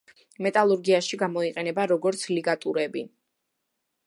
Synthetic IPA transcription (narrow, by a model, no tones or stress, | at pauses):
mɛt̪ʼalˠuɾɡiaʃiɡamɔiqʼɛnɛbaɾɔɡɔɾt̪sʰliɡat̪ʼṵɾɛbḭn